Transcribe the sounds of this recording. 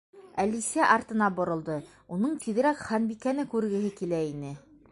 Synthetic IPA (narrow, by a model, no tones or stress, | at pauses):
ælisæʔɑɾt̪ɤ̆nɑbŏɾɤ̆lˠd̪ɤ | unɤɴt̪iðɘ̆ɾækχɑnbikænɘkʉɾɡɘ̆ɦɘkilæinɘ